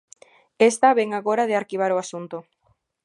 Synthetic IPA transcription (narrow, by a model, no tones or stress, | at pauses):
est̪aβeŋaɣoɾað̞ɪaɾkiβ̞aɾoasunt̪ʊ